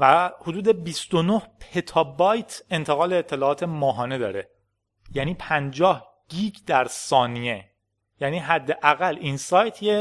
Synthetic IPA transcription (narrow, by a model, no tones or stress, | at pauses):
væhod̪uːd̪e̞bist̪onohpʰe̞t̪ʰɒːbɒːjt̪ʰe̞nt̪ʰeɣɒːleːt̪ʰːe̞lɒːɒːt̪ʰe̞mɒːɦɒːne̞d̪ɒːɾe̞ | jæniːpʰænd͡ʒɒːh | ɟ̥iːɟd̪æɾsɒːnie | jæːniːɦæd̪ːeʔæɣælinsɒːjt̪ʰje